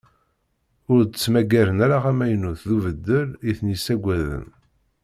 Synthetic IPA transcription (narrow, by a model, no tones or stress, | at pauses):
ʊɾt͡sːmæɡæɾənæɾaʁæmæjnuθðuvəd̪ːəliθnisæɡʷæðə̰m